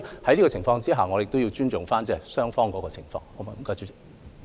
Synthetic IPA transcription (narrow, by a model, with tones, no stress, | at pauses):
hɐ˨˥jli˥ɔ˧˨ɪ˨˩ŋfɔː˧ŋt͡siː˥ɦaː˨ŋɔ˨˧jɪ˨k̚t̪o˥wji˧wt͡ʃyː˥nt͡sʊ˨ŋfaː˥nt͡sɛː˥˨˩sœː˥ŋfɔː˥ŋkɔː˨˥kɔː˧t͡sʰɪ˨˩ŋfɔ̰ː˧ŋɔ˨˦mɐ˨˧m̩˨˩kaː˧t͡ʃy˥˨